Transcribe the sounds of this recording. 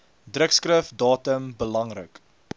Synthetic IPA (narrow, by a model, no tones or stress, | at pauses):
drəkskrəfdɑːtəmbəlɐŋrə̰k